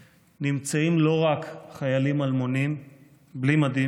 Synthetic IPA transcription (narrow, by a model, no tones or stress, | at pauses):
nimt͡saimlo̞ʁakχajalimalmonim | blimad̪i